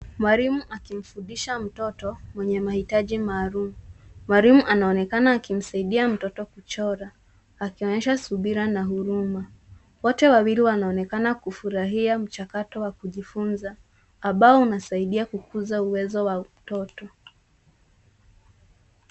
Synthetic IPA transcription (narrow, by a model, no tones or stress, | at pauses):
mwaɾimuʔakim̩fundiʃam̩tɔtɔmwɛɲɛmahitaʄimaːɾumumwaɾimuʔanaɔnɛkanaːkim̩saiɗiam̩tɔtɔkut͡ʃɔɾaː | kiɔɲɛʃasuɓiɾanaɦuɾuma | wɔtɛwawiɾiwanaɔnɛkanakufuɾaɦiam̩t͡ʃakatɔwakuʄifunzaː | mbaɔunasaiɗiakukuzauwɛzɔwam̩tɔtɔ